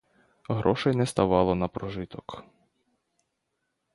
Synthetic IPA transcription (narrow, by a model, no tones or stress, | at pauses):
ɦɾʔɔʃɛjnɛst̪ɐʋɑlˠɔnɐpɾɔʒɪt̪ɔk